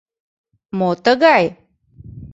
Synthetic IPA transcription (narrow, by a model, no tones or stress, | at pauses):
mot̪əɡaj